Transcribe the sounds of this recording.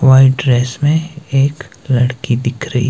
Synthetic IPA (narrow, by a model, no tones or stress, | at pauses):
ʋaːɪʈɖɾeːsmẽeːk | lɐɽkid̪ɪkʰɾəḭ